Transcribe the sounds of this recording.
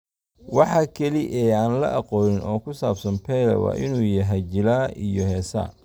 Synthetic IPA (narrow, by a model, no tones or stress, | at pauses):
wɑħɑkʰɐliʔɛːaːnlɐ̰ʔɑqɔːnɪnɔːkʰʊsaːbsɐnpʰɛːlɐ̰wɑ̰ːʔɪnuːjɐɦɛt͡ʃɪlaːʔijɔɦɛːsɐ̰